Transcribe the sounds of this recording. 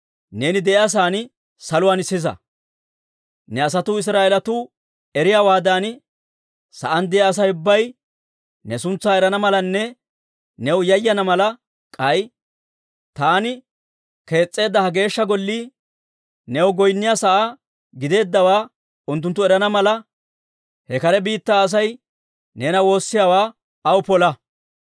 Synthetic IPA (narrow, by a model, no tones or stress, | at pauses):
ne̞ːnɪd̪ɛʔɛɐs̬aːn | sɐlʊwaːnɪsɪzɐ̰ | nɛɐs̬ɐt̪uːɪs̬ɾaːʔɛlɐt̪uː | ɛɾɪjaːwaːd̪aːn | sɐʔɐnd̪ɛɐs̬ɐjʊbːɐj | nɛsʊnt͡sːaːɛɾɐnɐmɐlɐnːɛ | nɛwʊjɐjːɐnɐmɐlɐ | kʼɐj | t̪aːnɪ | ke̞ːt͡sʼːe̞ːd̪ːɐhɐɡe̞ːʃːɐɡɔlːiː | nɛwʊɡɔjnːɪjasɐʔa | ɡɪd̪e̞ːd̪ːɐwaː | ʊnt̪ːʊnt̪ːʊɛɾɐnɐmɐlɐ | hɛkɐɾɛbiːt̪ːaːs̬ɐj | neːnɐwo̞ːsːɪjaːwaː | ɐwʊpɔlɐ